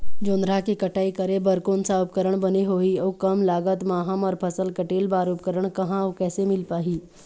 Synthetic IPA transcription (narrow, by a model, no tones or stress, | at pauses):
d͡ʒõːnɾakikɐʈaːikəɾebəɾkoːnsaːp̚kəɾəɽ̃bɐniɦoːioːkɐmlaːɡət̪maːɦəmɔːɾpʰɐsəlkəʈeːlbaːɾuːp̚kəɾəɽ̃kɐɦãoːkɛːsemɪlpaːɦiː